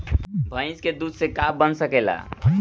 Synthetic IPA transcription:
bʱə̃ɪ̃sked̪ud̪sekabənsəkela̰

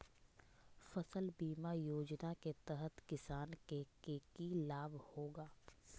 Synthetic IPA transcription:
fɐsəlbiːmajoːd͡ʒnaket̪ɛɦət̪kɪsaːnkekeːkilaːbhoːɡaː

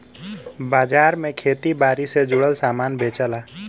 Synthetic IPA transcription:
bad͡ʒaɾmekʰet̪ibaɾised͡ʒuɽəlsamanbʱet͡ʃəla

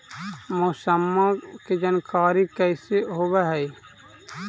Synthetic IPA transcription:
mʊsəmːaked͡ʒənkaːɾikɛɪseɦoːbeɦɛi

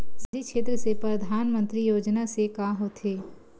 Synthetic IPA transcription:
sd͡ʒikʃeːt̪̬ɾəsepɾɐd̪ʱaːnmə̃nt̪ɾijoːd͡ʒnasekaːɦot̪ʰeː

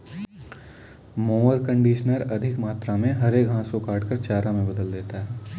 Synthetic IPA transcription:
moːəɾkə̃ɳɖiːʃnəɾɐd̪ʱɪkmaːt̪ɾamẽɦɐɾeːkɦãːsokaːʈkəɾt͡ʃaːɾamẽbɐd̪əld̪eːt̪aɦɛː

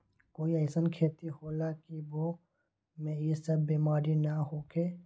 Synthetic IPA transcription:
koːiəːsənkʰeːt̪ihoːlakiboː | mẽisɐbːiːmaːɾinaɦoːkʰeː

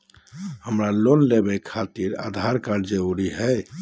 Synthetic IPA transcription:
həmɾalonlebɛkʰat̪iɾa̰d̪ʱaɾkaɾd͡ʒəoɾiɦɛj

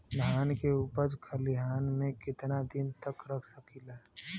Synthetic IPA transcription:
mɦaːnkeuːpəd͡ʒkʰəliɦaːnmẽkɪt̪nad̪ɪnt̪əkɾəkʰsəkilaː

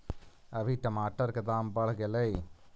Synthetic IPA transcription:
əʋʱiʈəmaːʈəɾkəd̪aːmbəɽ̤ɡeləi

